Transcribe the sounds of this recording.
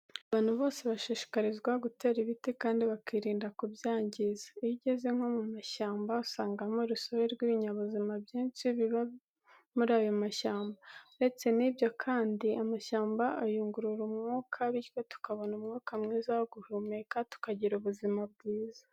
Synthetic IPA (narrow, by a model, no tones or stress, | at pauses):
aβaːn̥huβo̞ːse̞βaʃiːʃi̥kaɾizɡwaɡute̞ːɾiβitikaːndiβakiɾiːndakubjaːɲɟizḁiβiɟe̞ze̞ŋ̥ho̞mumaʃaːmbausaːŋɡamoɾusoɾeɾɡwiβiɲaβuzimabjiːnt͡ʃiβiβa | muɾaːjo̞maʃaːmbande̞t͡se̞nibjo̞kʰaːndiamaʃaːmbaʔːjuːŋɡuɾuɾumŋuːkʰaβiɾkotu̥kaβo̞numŋuːkamŋiːzaoɡuhumekatu̥kaɟiɾuβuzimab̚ɡiːzḁ